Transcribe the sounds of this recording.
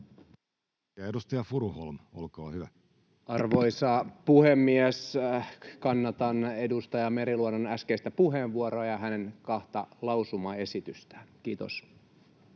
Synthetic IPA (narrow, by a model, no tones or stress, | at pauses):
æedust̪ɑjɑfuɾuholmolkoːhyʋæ | ɑrʋo̞jsɑpuhemːiæs | kɑnːɑt̪ɑne̞dust̪ɑjɑmeɾiluononæskeist̪æpuɦeʋʋuoɾoːjɑɦæneŋkɑht̪ɑlɑusumɑe̞sit̪yst̪æ̥ːnk̟iːt̪o̰s